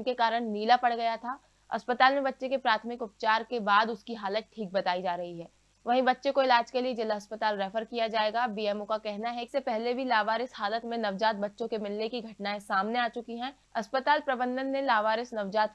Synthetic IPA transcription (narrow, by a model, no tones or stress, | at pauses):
kekaːɾəɽ̃niːlapɐɽɡɐjat̪ʰaː | ɐ̰spət̪aːlmẽbɐtːʃekepɾaːt̪ʰəmɪkʊp̚t͡ʃaːɾkebaːd̪ʊskiɦaːlət̪̚ʈʰiːk̚bɐt̪aːid͡ʒaːɾɐɦiɦɛː | ʋɐɦĩbɐtːʃẽkoɪlaːd͡ʒkelied͡ʒɪlɦɐspət̪aːlɾɛːfəɾkijad͡ʒaːeːɡaːbiːɛːmõkakɛɦnaɦɛɪksepɛɦlebʱilaːʋaːɾɪshaːlət̪mẽnɐʋd͡ʒaːt̪̚bɐtːʃõkemɪlnekiɡʱɐʈnaːẽsaːmneaːt͡ʃʊkiɦɛ̃ː | ɐspət̪aːlpɾɐbə̃nd̪ənːẽlaːʋaːɾɪsnɐʋd͡ʒaːt̪̚